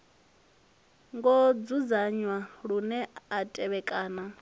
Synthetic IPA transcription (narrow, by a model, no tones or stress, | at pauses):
ŋɡɔd͡zud͡zaɲwaɺunɛatʼɛβɛkʼaːna